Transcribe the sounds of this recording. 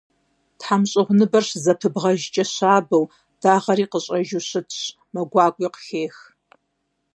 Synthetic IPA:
tħamɕʼɪʁʷnɨbɐrɕzɐpʰɨbʁɐʒt͡ʃʼɐɕaːbɐw | d̥aːʁɐɾiːqəɕʼɐʒuɕɨtʰɕ | mɐɡʷɑːkʷʼiːqəɬeːx

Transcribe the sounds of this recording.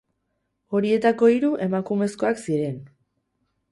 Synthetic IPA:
o̞ɾie̞t̪ako̞iɾuʔe̞makume̞sko̞aksiɾe̞n

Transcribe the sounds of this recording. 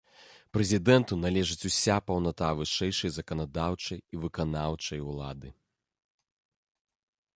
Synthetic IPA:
pɾɛzʲid̪ɛnt̪unalʲɛʐɨt͡sʲusʲapɐwnat̪avɨʂɛjʂɐjzɐkɐnad̪awt͡ʂɐjivɨkanawt͡ʂɐjulˠa̰d̪ɨ

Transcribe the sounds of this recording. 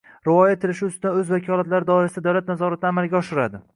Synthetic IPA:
ɾɪvɒjat̪ʰɪlɪʃɪʊst̪ɪd̪anɵzvakʲʰɒlat̪laɾɪd̪ɒɪɾasɪd̪ad̪awlat̪̚nazɒɾat̪̚ʰnaːmalɡʲaɒʃɪɾad̪ɪ

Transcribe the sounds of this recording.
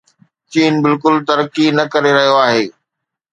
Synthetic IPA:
t͡ɕiːnbɪlkʊlt̪ɐɾəkinɐkɐɾeɾɐɦijoaːɦeː

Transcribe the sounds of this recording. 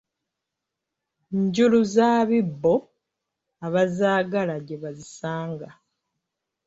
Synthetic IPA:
ɲɟuluzaːβibːo̞ | aβazaːɡalaɟe̞βazisaːŋɡa

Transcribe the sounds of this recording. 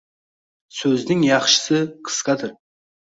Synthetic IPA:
sɵznɪŋjɑχʃə̥sɨqʰə̥sqɑd̪ɨɾ

